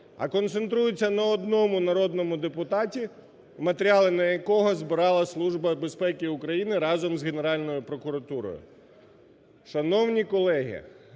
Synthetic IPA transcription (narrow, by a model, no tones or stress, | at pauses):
ɐ̰kɔnt̪sent̪ɾujʊt͡sʲːɐnɐɔd̪nɔmʊnɐɾɔd̪nɔmʊd̪epʊt̪ɑtʲi | mɐt̪eɾʲɑlˠɪnɐjɐkɔɦɔzbɪɾɑlˠɐslˠuʒbɐbe̞spɛkʲɪʊkɾɐjinɪɾɑzɔmzɦene̞ɾɑlʲnɔjʊpɾɔkʊɾɐt̪uɾɔ̰jʊ̰ | ʃɐnɔwnʲikɔlˠɛɦʲḭ